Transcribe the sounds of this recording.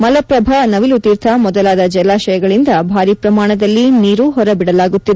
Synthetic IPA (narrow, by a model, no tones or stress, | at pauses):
mɐlɐpɾɐbʱɐnɐʋilut̪iːɾt̪ʰɐmɔd̪ɐlaːd̪ɐd͡ʒɛlaːʃɐjɐɡɐɭind̪ɐbʱaːɾipɾɐmaːɳɐd̪ɐlːiniːɾuɦɔɾɐbiɽɐlaːɡut̪ːid̪e